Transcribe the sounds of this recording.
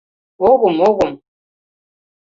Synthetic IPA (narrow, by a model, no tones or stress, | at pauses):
oɣumoɣum